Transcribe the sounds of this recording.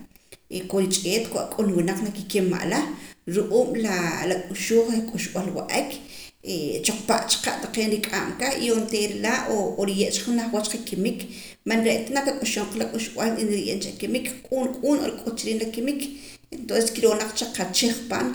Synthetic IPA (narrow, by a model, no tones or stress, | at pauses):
ekojt͡ʃʼeːt̪kwa̰ʔkʼulwinaq͡χnakikemːa̰ʔlaɾuʔuːmlalakʼuʃuːχɾakʼuʃɓalwa̰ʔekʰ | et͡ʃoq͡χpaʔt͡ʃḁqaʔt̪aqeːnɾikʼamkaxiont̪eːɾlaʔooɾijeʔt͡ʃḁχnaχwat͡ʃqakimik | manɾeʔt̪anakakʼuʃoɴqalakʼuʃɓ̥walinɾijḛːnt͡ʃakimikkʼunkʼuːno̰ɾikʼut̪t͡ʃiɾiːnlakimik | ent̪onse̥skiɾonaq͡χt͡ʃaqat͡ʃiχpa̰ːn